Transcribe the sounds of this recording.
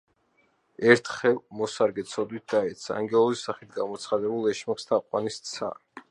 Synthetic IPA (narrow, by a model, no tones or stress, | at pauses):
ɛɾt̪ʰχɛlˠmɔsaɾɡɛt̪sʰɔd̪wit̪̚d̪̥aɛt̪sʰa̰ːŋɡɛlˠɔzisːaχit̪̚ʰɡamɔt̪sʰχad̪ɛbulˠɛʃmiχst̪ʰaqʼwa̰nist̪sʰa̰